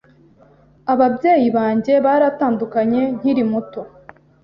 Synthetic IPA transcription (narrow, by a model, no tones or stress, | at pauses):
aβabje̞ːjiβaːɲɟe̞βaːɾataːndukaɲe̞n̥hiɾimuto̞